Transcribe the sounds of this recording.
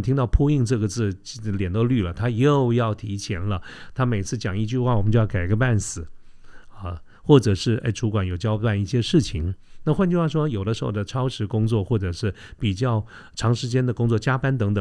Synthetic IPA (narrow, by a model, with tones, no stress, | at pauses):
t̪ʰi˥ŋt̪ɑ˥˧ʊpʰu˥˧i˥˧ŋʈ͡ʂɤ˥˩ɡə˩t͡sɹ̩˥˩˧ljɛ˨˩nt̪o˥˧ʊly˥˩lə˩t̪ʰa˥jo˥˧ʊjɑ˥˩ʊt̪ʰi˧˥t͡ɕʰjɛ˧˥nlə˧t̪ʰa˥me˨˩ɪ˥t͡sʰɹ̩˥˩t͡ɕjɑ˨˩ŋi˥˧t͡ɕy˥˧xwa˥˩wɔ˨˩mə˦t͡ɕjo˥˧jɑ˥˩ka˨˩ɪɡə˧˥pa˥˩nsɹ̩˨˩˦ə˥˧ | xwɔ˥˩ʈ͡ʂɤ˨˩ʂɻ̩˥˩a̰˥˩ɪʈ͡ʂʰu˧˥kwa˧˥njo˨˩ʊt͡ɕjɑ˥ʊpa˥˧ni˥˩ɕjɛ˥ʂɻ̩˥˩t͡ɕʰi˧˥ŋna˥˩xwa˥˧nt͡ɕo˥˧xwa˥˩ʂwɔ˥jo˨˩ʊd̪ə˦ʂɻ̩˧˥xo̰˥˧˩d̪ə˩ʈ͡ʂʰɑ˥ʊʂɻ̩˧˥kʊ˥ŋt͡swɔ˥˧xwɔ˥˩ʈ͡ʂɤ˨˩ʂɻ̩˥˩pi˨˩t͡ɕjɑ˥˩ʊ | ʈ͡ʂʰɑ˧˥ŋʂɻ̩˧˥t͡ɕjɛ˥nd̪ə˨kʊ˥ŋt͡swɔ˥˩t͡ɕja˥pa˥nt̪̬ɤ˧˥ŋt̪ɤ˨˩ŋ